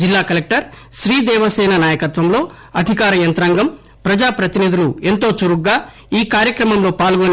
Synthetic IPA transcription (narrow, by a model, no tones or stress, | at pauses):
d͡ʒilːaːkɐlek̚ʈɐɾʃɾiːd̪ɛːʋɐsɛːnɐnaːjɐkɐt̪ʋɐmlo̞ː | ɐd̪ʱikaːɾɐjɐnt̪ɾaːŋɡɐm | pɾɐd͡ʒaːpɾɐt̪inid̪ʱulue̞nt̪o̞ːt͡ʃoɾuɡɡaː | iːkaːɾjɐkɾɐmɐmlo̞ːpaːlɡon